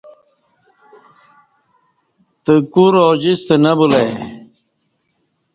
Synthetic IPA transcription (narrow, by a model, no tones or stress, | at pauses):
t̪əkuɾoːd͡ʑist̪ənɐbulɐj